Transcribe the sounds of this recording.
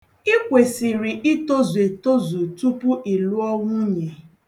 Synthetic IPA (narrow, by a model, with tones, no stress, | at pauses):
i˦kʷe˨sɪ˨ɾɪ˨ʔi˦to˦ze˨to˦zu˨tu˦pʊ˦ʔi˨lu˦ɔ˦ŋʷʊ˦ɲe˨